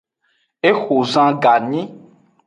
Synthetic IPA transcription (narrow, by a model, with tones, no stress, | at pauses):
e˦xo˨zã˦ɡa˨nĩ˦